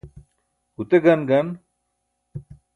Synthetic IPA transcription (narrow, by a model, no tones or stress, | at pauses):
ut̪eɡɐnɡɐn